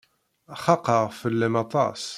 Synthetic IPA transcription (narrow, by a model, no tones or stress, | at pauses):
χɑqɑʁfəlːɪmɑt̪ˤɑ̰s